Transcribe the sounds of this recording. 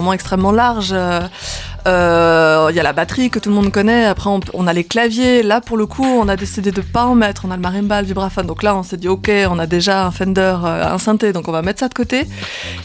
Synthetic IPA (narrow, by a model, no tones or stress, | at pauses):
mɑ̃ɛkst̪χɛmːɑ̃laʁʒø | ø | ijalabat̪χikət̪ulmɔ̃d̪kɔnɛapχɛɔ̃pɔ̰̃naleklavjelapuʁləkʰuɔ̃nad̪esid̪ed̪əpaɑ̃mɛt̪χɔ̃naləmaʁinbald̪ybʁafãd̪ɔ̃klaɔ̃sɛd̪iokʲeɔ̃nad̪eʒaɛ̃fɛ̃nd̪œʁøɛ̰̃sɛ̃t̪ed̪ɔ̃kɔ̃vamɛt̪χsad̪əkɔt̪e